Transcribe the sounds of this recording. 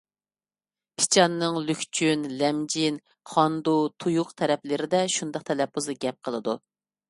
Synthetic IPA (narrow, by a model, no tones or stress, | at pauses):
pʰɪ̥t͡ʃʰɑnːɨŋlykʲt͡ʃʰynlɛmd͡ʒin | χɑnd̪ut̪ʰujuqt̪ʰɛɾɛplɪɾɪd̪ɛʃund̪ɑq̚t̪ʰɛlɛpʰːuzɨɡʲɛp̚qʰəlˠɨd̪u